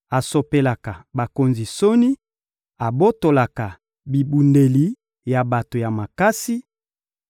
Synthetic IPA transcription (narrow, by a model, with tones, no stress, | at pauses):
a˨so˨pe˨la˨ka˨ba˨ko˨nzi˨so˦ni˦ | a˨bo˦to˨la˨ka˨ | bi˨bu˨nde˨li˨ | ja˨ba˨to˨ja˨ma˨ka˦si˦